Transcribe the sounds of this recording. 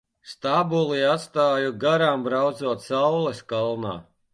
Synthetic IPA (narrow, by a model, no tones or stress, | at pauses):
st̪abulˠiat̪st̪aːjuɡaɾaːmbɾawd̪zuɔt̪sawlˠɛskalˠna̰ː